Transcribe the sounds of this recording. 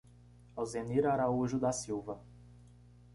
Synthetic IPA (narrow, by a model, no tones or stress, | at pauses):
awzeniɾaɾauʒʊd̪asiwvɐ